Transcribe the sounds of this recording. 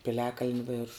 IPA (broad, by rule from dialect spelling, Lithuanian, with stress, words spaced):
pʲɪˈlʲæːkɐlʲnʲɪ ˈʋʲeːrʃʊ